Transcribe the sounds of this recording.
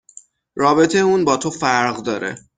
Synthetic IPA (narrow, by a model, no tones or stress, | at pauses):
ɾɒːbet̪ʰejuːnbɒːt̪ʰofæɾɣd̪ɒːɾʔḛ